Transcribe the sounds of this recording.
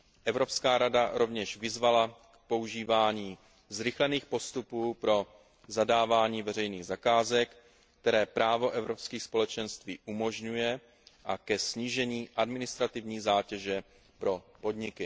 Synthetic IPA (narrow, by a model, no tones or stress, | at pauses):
ʔɛvɾo̞pskaːɾadaɾo̞vɲɛʃvɪzvalakpo̞uʒiːvaːɲiː | zɾɪxlɛniːxpo̞st̪upuːpɾo̞ | zadaːvaːɲiːvɛɾɛjniːɣzakaːzɛkː | t̪ɛɾɛːpɾaːvo̞ʔɛvɾo̞pskiːxspo̞lɛt͡ʃɛnst̪viːʔumo̞ʒɲujɛ | ʔakɛsɲiːʒɛɲiːʔadmɪnɪst̪ɾat̪ɪvɲiːzaːcɛʒɛ | pɾo̞po̞dɲɪkɪ